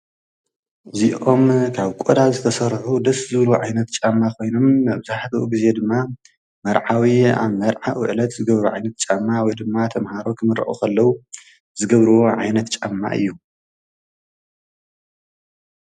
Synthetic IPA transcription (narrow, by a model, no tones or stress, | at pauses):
ʔɨziʔo̞mkʰaβkʼod̪azɨt̪ʰɐsɐɾħud̪ɐszɨβluʕajnɐt̪t͡ʃʼamːakʰo̞jno̞maβɨzaħt̪ʰɐʔuɡize̞d̪ɨmːa | mɐɾʕawia̰βmɐɾʕaʔuʔɨlɐt̪zɨɡɐβɾuʕajnɐt̪̚t͡ʃʼamːawɔjd̪ɨmːat̪ʰɐmhaɾo̞kʰɨmɨɾɐ̰ʔṵkʰɐlːɐwu | zɨɡɐβɾɨwoʕa̰jnɐt̪t͡ʃʼa̰mːa̰ʔɨ̰jːu